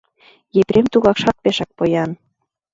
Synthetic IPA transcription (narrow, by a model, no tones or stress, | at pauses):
jepɾʲemt̪uɣɑkʃɑt̪̚peʃɑk̚pojɑn